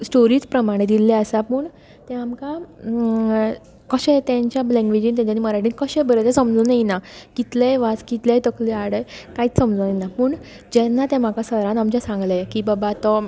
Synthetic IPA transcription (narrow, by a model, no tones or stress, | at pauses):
sʈoɾiːt͡spɾəmaɽ̃ed̪ilɛəsapəːɳ | t̪ɛ̃amka | kəɕɛ̃t̪jãɲt͡ɕjalɛ̃ŋɡʋed͡ʑĩːnt̪jãɲt͡ɕaniːməɾaʈiːnkəɕɛ̃bəɾet̪esəmd͡zonajinakit̪leʋat͡skit̪lajt̪əkliaɽəjkaiːt͡ssəmd͡zənajnapəːɳ | d͡ʑɛnːat̪ɛ̃m̤akasəɾãnamt͡ɕjasãŋɡləjkiːbəbat̪ɔ